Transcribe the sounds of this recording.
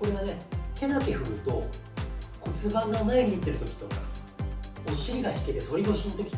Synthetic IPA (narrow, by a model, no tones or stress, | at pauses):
o̞ɾe̞ɡanehe̞nat̪e̞ɸɯ̟ɾɯ̟t̪o̞ | ko̞t͡sɨbãŋɡamaeɲʲiːt̪ːe̞ɾɯ̟t̪o̞kʲi̥t̪o̞ka̰ | oɕiɾʲiɡaçi̥ke̞t̪e̞so̞ɾʲiɡoɕĩnt̪o̞kʲi